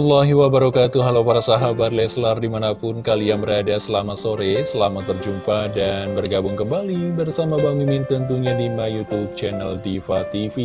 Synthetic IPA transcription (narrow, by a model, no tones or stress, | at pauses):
ɔlːɔɦiwabaɾakat̪uɦalawpaɾasaɦabat̪lɛslardimanapʊnkaliaŋbəɾadasəlamasoɾɛsəlamaərd͡ʒumpadanbərɡabʊŋkəmbalibərsamabamimint̪ənt̪̬uɲadimajut̪ub̚t͡ʃɛnaldifat̪ifi